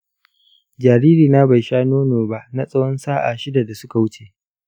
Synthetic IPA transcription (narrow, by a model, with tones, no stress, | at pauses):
d͡ʒaː˨ɾiː˦ɾiː˨na˦ba˨jʃaː˦noː˦noː˨ba˦ʔna˦sʼɐ˦wɔ˦nsaː˦ʔa̰ː˨ʃɪ˦da˨da˨sʊ˦ka˨wʊ˦t͡ʃe˨ʔ